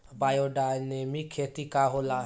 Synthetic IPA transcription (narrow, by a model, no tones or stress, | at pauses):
bajoɖanemikʰet̪ikaɦola